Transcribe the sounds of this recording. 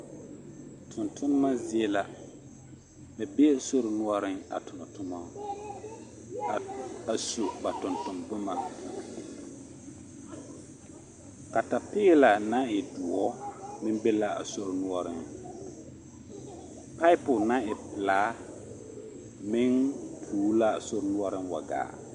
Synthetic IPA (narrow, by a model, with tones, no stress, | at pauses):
tʰʊ˨ntʰʊ˦n˦ma˦zɪ˦ɛ˦la˦ | bɪ˨be˦˨so˦ɾɪ˨nu˦ɔ˦ɾɪ˦ŋa̰˨tʊ˨na˨tʊ˦ma˦˨ | a˨so˨ba˨tʊ˨ntʊ˨mbʊ˦ma˨ | ka˨ta˨pɪː˦la˨na˦ɪ˨du˨ɔ˦mɪ̃˦mbe˦la˦a̰˨so˦ɾɪ˨nu˦ɔ˦ɾɪ˦ŋ | pa˦ɪ˦pʊ˨nã˦ɪ˨pɪ˨laː˨˦ | mɪ˦npʰuː˨˦la˦a˨so˦ɾnu˦ɔ˦ɾɪ˦nwa̰˨ɡa̰ː˨